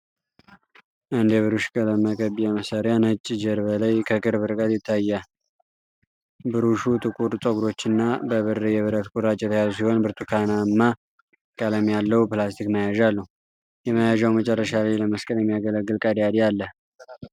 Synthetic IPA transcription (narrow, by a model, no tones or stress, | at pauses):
ʔɨnd̪jɛβɨɾuʃkʼələməkʼəβijɛməsaɾjanhɨt͡ʃʼːd͡ʒəɾbəlajkʰəkʼɨɾbɨɾkʼət̪jɪt̪ʰːajːa | bɨɾuʃut̪ʼɨkʼuɾt̪ʼəɡuɾo̞t͡ʃːɪnːabəβɨrːəjɛβɨɾət̪kʷʼuɾat͡ʃʼːjɛt̪ʰəjazus̬iho̞nbɨɾt̪ʰukʰanaɨmːa | kʼələmjalːəhwpɨlast̪ʰikməjaʒalːəhu | jɛməjaʒawmət͡ʃʼɛrːəʃalajləməskʼəljɛmːijaɡələɡːɨlkʼad̪jad̪ialːəh